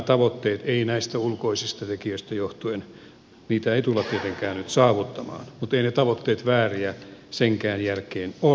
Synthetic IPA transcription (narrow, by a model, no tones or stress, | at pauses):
t̪ɑʋot̪ːeːt̪einæist̪æulkoisist̪ɑt̪ekiøist̪æjoht̪uen | niːt̪æeit̪ulːɑt̪t̪iet̪eŋkæːnnyt̪sɑːʋut̪ːɑmɑ̰ːnmut̪einet̪ɑʋot̪ːeːt̪ʋæːriæseŋkæːnjælkeːno